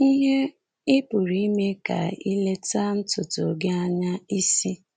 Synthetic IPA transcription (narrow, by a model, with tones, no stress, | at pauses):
i˦ɦe˦ | ɪ˦pʊ˨ɾi˨˦i˦me˦ka̰˨i˦le˦ta˦n̩˦tʊ˨to̰˨ɡe˦a˦ɲa˦i˦si˦